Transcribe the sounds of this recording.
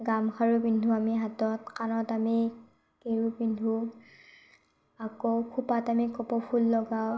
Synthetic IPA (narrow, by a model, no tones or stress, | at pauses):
ɡamkʰaɹubindʱuamiɦatɔtkanɔtami | keɹubindʱu | akɔkʰupatamikɔpɔpʰulːɔɡa